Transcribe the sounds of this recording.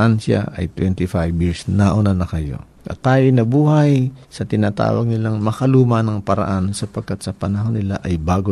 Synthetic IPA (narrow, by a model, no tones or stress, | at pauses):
ʔanʃa̰ʔʔɐ̰jt̪wɛnt̪ɪfajbjɪɹsnaʔonanɐkɐjo̞̰ | ʔɐ̰t̪ːaːjojnɐbuːhɐjsɐt̪ɪnaːt̪a̰ːwɐ̰ɡ̚nɪlaŋmɐkɐluːmɐnɐŋpɐɾɐ̰ʔansɐpɐɡ̚kat̪sɐpɐnɐɦonɪlaʔɐjbaːɡo